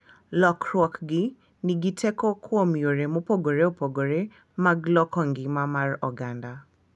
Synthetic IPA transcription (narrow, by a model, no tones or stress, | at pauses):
lɔkʰɾɔkɡɪ | niɡitʰɛkɔkʰoomioɾemopoɡoɾeopoɡoɾe | maɡlɔkɔŋɡɪmamaɾɔɡanda